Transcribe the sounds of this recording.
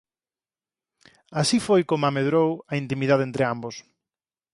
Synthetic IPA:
asifojkomameðɾowaint̪imiðaðent̪ɾeambos

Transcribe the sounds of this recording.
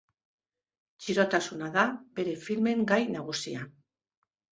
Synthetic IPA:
t͡ʃiɾo̞t̪asunaðabe̞ɾe̞filme̞ŋɡajnaɣ̞usia

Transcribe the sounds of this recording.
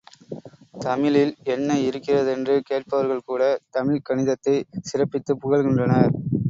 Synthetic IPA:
t̪ɐmɪlɪlɛnːɐɪɾɯkːɪrɐðɛndrɯkeːʈ̚pɐʋɐɾɣɐɭkuːɽɐt̪ɐmɪlkɐɳɪðɐt̪ːɐɪsɪrɐpːɪt̪ːɯpʊɣɐɭɣɪndrɐnɐ

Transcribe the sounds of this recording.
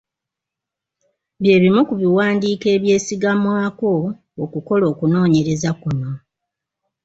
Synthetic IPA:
βje̞ːβimukuβiwaːndiːke̞ːβje̞ːsiɡamwaːko̞ː | kuko̞lo̞ːkuno̞ːɲe̞ɾe̞zakuno

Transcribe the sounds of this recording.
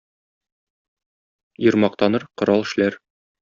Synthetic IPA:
jɤ̆ɾmɑq̚t̪ɑnɤɾqŏɾɑlˠɘ̆ʃlæɾ

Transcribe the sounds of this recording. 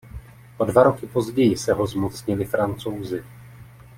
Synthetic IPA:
ʔo̞dvaɾo̞kɪpo̞zɟɛjɪsɛɦo̞zmot͡sɲɪlɪfɾant͡so̞wzɪ

